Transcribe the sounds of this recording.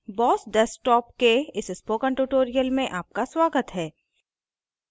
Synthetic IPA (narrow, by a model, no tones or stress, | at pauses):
bɔːsɖɛsʈɔːp̚keɪsɪspokə̃ɳʈuːʈoːɾijəlmẽʔaːp̚kaswaːɡət̪ɦɛː